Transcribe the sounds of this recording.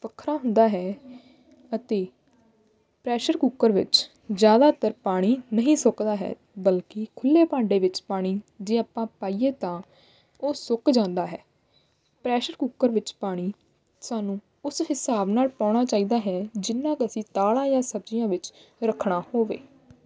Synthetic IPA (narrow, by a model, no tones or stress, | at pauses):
pəkʰːɾaːɦʊ̃nd̪aːɦɛː | ət̪eː | pɾɛːʃəɾkuːkːəɾʋɪ̰t͡ʃ | zjaːd̪aːt̪əɾpaːɽ̃iːnəɦĩːsʊkd̪aːɦɛ̰ː | bəlkɪkʰʊlːeːpãːɳɖeːʋɪt͡ʃpaːɽ̃iːd͡ʒeːaːpãːpaːiːeːt̪ãː | oːsʊkd͡ʒãːnd̪aːɦɛː | pɾɛːʃəɾkuːkːəɾʋɪt͡ʃpaːɽ̃iː | saːnũː | ʊshɪsaːbnaːlpãːɽ̃aːt͡ʃaːiːd̪aːɦɛːd͡ʒɪnːãːkəsĩːt̪aːlãːjãːsəbd͡ʒijãːʋɪt͡ʃɾəkʰːɽ̃aːhoːʋḛː